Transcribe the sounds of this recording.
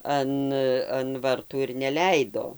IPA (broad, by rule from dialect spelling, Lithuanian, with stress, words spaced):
ˈɐn ɐn ˈʋɐrtuː ɪr nʲɛˈlʲɛɪdoː